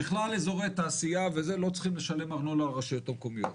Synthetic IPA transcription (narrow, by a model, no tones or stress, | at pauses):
iχlalezo̞ʁet̪aːsijavezelo̞t͡sχimle̞ʃale̞maʁnolaːʁaʃijo̞t̪amkomijoot